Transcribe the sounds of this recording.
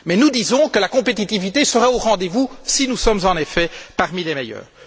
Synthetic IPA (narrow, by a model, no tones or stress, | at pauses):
mɛnud̪izɔ̃kəlakɔ̃pet̪it̪ivit̪esəʁɛoʁɑ̃d̪evusinusɔmzɑ̃nefɛpaʁmilɛmejœ̰ːʁ